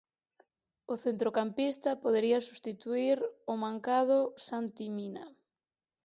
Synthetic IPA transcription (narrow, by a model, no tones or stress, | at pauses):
ʊθent̪ɾokampist̪ɐpoðeɾiɐsust̪it̪uiɾʊmãŋkaðʊsant̪imina̰